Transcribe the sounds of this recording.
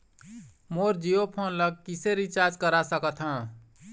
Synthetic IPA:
moɾd͡ʒijopʰonləɡ̚kiseɾit͡ʃaɾd͡ʒkəɾasəkət̪ɦə̃

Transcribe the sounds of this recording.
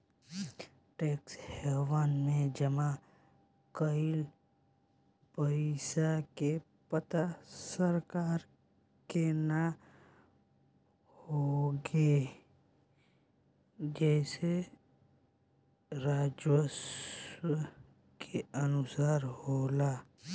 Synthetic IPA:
ʈeːkshɛːwaːnmẽd͡ʒəma | kəɪl | pəɾisake | pət̪asəɾkaːɾ | kena | hoɡe | d͡ʒɛːse | ɾaːd͡ʒwəs | kʰeənʊsaːɾhoːla

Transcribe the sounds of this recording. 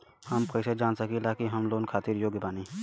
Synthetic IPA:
həmkəɪsed͡ʒaːnsəkilaːkiɦɐmloːnkʰaːt̪iɾjoːɡbaːniː

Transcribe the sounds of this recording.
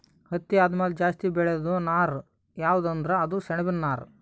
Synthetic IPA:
hɐt̪ːiaːd̪ɐmeːld͡ʒaːst̪ibɛɭed̪unaːɾ | jaːʋud̪ɐnd̪ɐɾeɐd̪usɛɳɐbinːaːɾ

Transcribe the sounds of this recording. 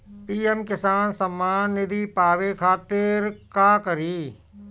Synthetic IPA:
piːemkɪsaːnsəmːaːnːɪd̪iːpaːʋekʰaːt̪ɪɾkaːkəɾiː

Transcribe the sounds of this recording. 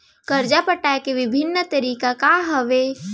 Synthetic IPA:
kəɾd͡ʒapəʈaːekeʋɪbʱɪnːət̪əɾiːkakaɦəʋe

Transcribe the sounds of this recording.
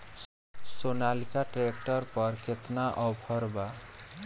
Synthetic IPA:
sonalikaʈɾekʈʌɾpʌɾkʰet̪naʔʌwpʰʌɾba

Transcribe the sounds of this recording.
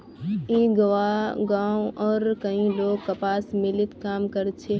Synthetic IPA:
iːɡɐʋaɡãːũɔːɾkɐĩloːɡ̚kɐpaːsmɪlɪt̪kaːmkɐɾt͡ʃʰe

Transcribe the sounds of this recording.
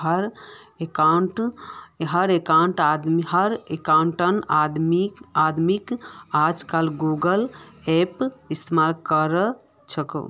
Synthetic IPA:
əɾ | ekaɳʈ | ɦəɾekaɳʈad̪miɦəɾekaɳʈənad̪miad̪mikad͡ʒkalɡuɡəlepist̪emalkəɾə | t͡ʃʰəkə̰̃

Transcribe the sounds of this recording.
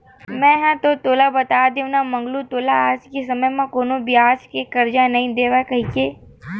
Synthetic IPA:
mɛ̃ɦãt̪ot̪oːlabɐt̪aːd̪eʋnamɐ̃ŋɡlut̪oːlaːskesɐməjmãkoːnobɪjaːskekɐɾd͡ʒanɐɦĩd̪eːʋakɐɦĩkeː

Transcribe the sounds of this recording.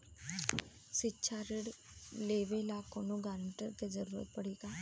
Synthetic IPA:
sɪːt͡ʃʰaːɾɪɽ | leːʋeɪlaːkõːnũːɡaːɾəɳʈəɾkezəɾuːɾə̰t̪̚pəɽiːkaː

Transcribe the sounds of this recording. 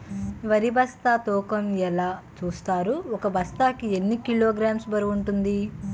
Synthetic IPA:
ʋɐɾibɐst̪aːt̪ɔːkɐmɛlaːt͡ʃuːst̪aːɾuɔkɐbɐst̪aːkienːikiloːɡɾaːmsbɐɾiuɳʈund̪i

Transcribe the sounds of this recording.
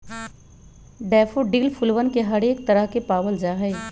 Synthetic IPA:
ɖɛːfoɖiːlfʰʊlʋənkeɦɐɽeːk̚t̪ɐɾəɦkepaːʋəld͡ʒaːɦɛː

